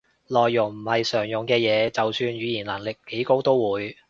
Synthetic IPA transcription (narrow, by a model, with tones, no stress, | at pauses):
lɔː˨˩jːʊ˨˩ŋm̩˨˩hɐ˨jsœː˨˩ŋjʊ˨˩ŋkɛː˧jɛː˨˧t͡sɐ˨wsyː˨˧nɥyː˨˧jiː˨˩nlaː˨˩nlɪ˨k̚ke˨˥jko˥wt̪o˥wwuː˨˧j